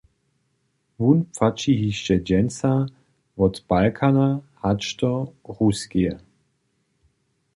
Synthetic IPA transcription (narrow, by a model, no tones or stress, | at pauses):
vunpfat͡ʃiɦiʃt͡ʃɛd͡ʒɛnt͡sa | vɔt̪b̥alkʰanahat͡ʃtɔʁuskiə